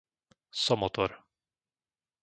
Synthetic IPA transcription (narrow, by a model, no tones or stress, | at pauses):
sɔmɔt̪ʰɔɾ